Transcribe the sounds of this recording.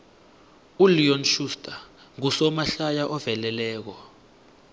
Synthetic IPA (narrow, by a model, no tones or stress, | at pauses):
uliɔnʃustʼa | ŋusɔmaɬajaʔɔvɛlɛlɛːk̬ɔ